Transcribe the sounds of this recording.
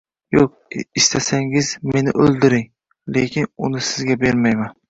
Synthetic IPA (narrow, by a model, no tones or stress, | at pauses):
joq̚ | ɪst̪ʰasaŋɪzme̞nɪ̰ʔɵlˠd̪ɪɾɪŋ | lekʲɪnʊnɪsɪzɡʲabe̞ɾmajman